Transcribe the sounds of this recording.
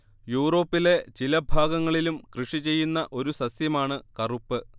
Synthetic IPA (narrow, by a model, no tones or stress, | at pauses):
juːro̞ːpːile̞t͡ɕilɐbʱaːɡɐŋːɐɭilumkrɨʂit͡ɕe̞jːunːɐʔo̞ɾusɐsjɐmaːɳɨkɐrupːɨ